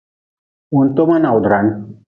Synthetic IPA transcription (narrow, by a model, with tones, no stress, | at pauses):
unt̪o˦ma˦na˨wu˨d̪ʱɾan